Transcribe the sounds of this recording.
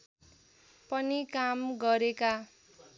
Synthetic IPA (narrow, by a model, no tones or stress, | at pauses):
pʌnikamɡʌɾeka